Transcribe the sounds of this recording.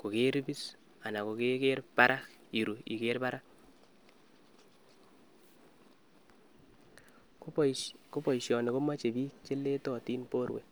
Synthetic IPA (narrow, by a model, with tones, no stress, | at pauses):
ko˨ke˦ɾi˦bi˦s | a˨na˨ko˨ke˦ke˦rpa˦ɾʔa˦k | i˨ɾu˨ḭ˨ke˦ɾpa˦ɾa˦k | ko˦pɔ˨iʃjɔ˨ne˨ko˦ma˦t͡ʃe˨bi˦t͡ʃe˦le˦tɔ˨ti˦npo˦ɾwḛ˨